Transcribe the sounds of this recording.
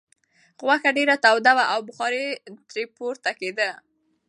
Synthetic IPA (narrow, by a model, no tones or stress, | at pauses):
ɣwaxaɖeɾat̪awd̪awaʔawbʊxɑɾet̪ɾepoɾt̪aked̪ə